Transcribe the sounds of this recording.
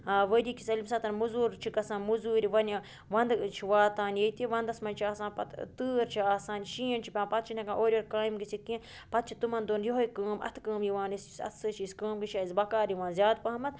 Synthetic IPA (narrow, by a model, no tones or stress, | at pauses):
aʋəɾʲikʲʰisɐlʲimsaːt̪ɐnʲmuzuːɾt͡ʃʰikɐsãːnmuzuːɾʲiʋɐnʲi | ʋɐnd̪t͡ʃʰiʋaːt̪aːnjet̪iʋɐnd̪ɐsmɐnʲt͡ʃʰiaːsaːnpɐt̪t̪ɨːɾt͡ʃʰiaːsaːnʃiːnt͡ʃʰipʲãːnpɐt̪̚t͡ʃʰinʲɐkãːnʔoːɾʲoɾkaːjimɡit͡sʰikĩː | pɐt̪̚t͡ʃʰit̪umɐnd̪onjoɦoikəːmʔɐ̰t̪ʰkəːmjiʋaːnissʲɐ̰t̪ʰsɨʃʰiskəːmɡɨʃaːizbɐkaːɾjiʋaːnzʲaːd̪̚pɐɦɐmɐt̪̚